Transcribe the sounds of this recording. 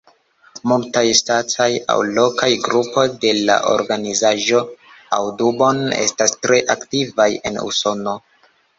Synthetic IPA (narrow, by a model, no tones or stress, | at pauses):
multajstat͡saja̰wlo̞kajɡɾupo̞jde̞la̰ʔo̞̰ɾɡanizaʒo̞ | a̰wdubo̞ne̞̰stastɾe̞ʔaktivaje̞nṵso̞no̞